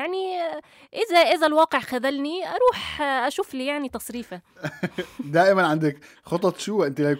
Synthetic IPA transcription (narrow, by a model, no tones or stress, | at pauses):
jaʕni | ʔɪzæʔɪzælwɑːqeʕxæðælniʔɑɾˤuːħʔæʃuːfliːjaʕnit̪ɑsˤɾiːfa | d̪æːʔɪmænʕand̪ɪk | xot̪ˤɑt̪ʃuwæʔent̪ilæjk